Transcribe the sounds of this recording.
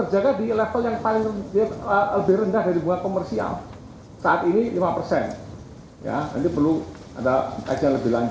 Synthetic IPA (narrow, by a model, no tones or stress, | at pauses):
t̪ərd͡ʒaɡadilɛfəljaŋpalɪŋrədiaələbɪhrəndahdaɾibuŋakomərsia̰l | saʔat̪inilimapərsɛn | ja̰na̰nt̪ipərlu | a̰daka̰d͡ʒaləbɪlaɲd͡ʒ